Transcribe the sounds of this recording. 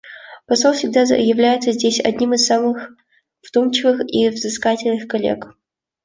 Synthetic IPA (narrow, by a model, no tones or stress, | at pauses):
pɐsolfsʲɪɡ̚d̪ajɪvlʲæjɪt̪səzʲdʲesʲɐ̰dʲnʲimɨsːamɨx | v̥d̪omt͡ɕɪvɨxivzɨskatʲɪlʲnɨxkɐlʲḛk